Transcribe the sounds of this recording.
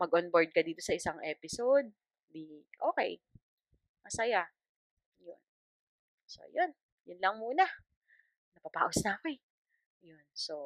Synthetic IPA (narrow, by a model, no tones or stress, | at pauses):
mɐɡʔonboɹd̪̚kɐd̪iːt̪o̞sɐʔɪsaŋʔɛːpɪsod̪̚ | d̪iʔoːkɛ̰j | mɐsɐja | jʊ̰n | so̞̰jon | jʊnlɐŋmuːnɐ | nɐpɐpa̰ːʔosnakoj | jonso